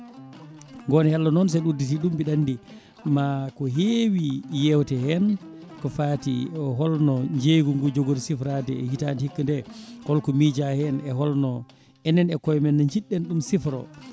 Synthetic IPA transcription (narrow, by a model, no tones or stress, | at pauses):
ŋɡɔnhɛlːɔnɔns̬ɛɗuditiɗumbiɗandi | makɔɦewijɛwtɛhɛn | kɔfaːtḭɔɦɔlnɔɲd͡ʒeɡuŋɡud͡ʒoɡoɾisifɾadɛɛhitanihikːundɛkɔlkɔmid͡ʒahɛnɛɦɔlnɔ | ɛnːɛnɛkɔjmɛnːaɲd͡ʒiɗːɛnɗumsifɾɔ̰